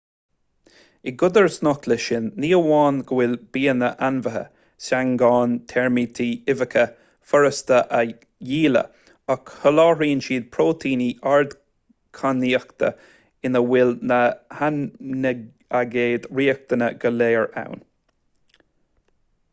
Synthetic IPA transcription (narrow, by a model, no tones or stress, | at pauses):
ɪɡʊd̪əɹsnɔkləʃɪnːiːəwɑːnɡəwɪlb̥iːənəʔanvəɦə̰ | saŋɡɑːnt̪ʰɛɹmit̪ʰiːɪvəkʰə | fɔɹəst̪əʔə | jiːlə̰ | əkhəlɑːɹiːnʃiːd̪̚pʰɹoːt̪ʰiːniʔaɹd̪ | kʰaniːəkt̪ʰə̰ | ɪnəwɪlnəhanə | aɡeːd̪ɹiːək̚t̪ənəɡ̥əleːəɹa̰wn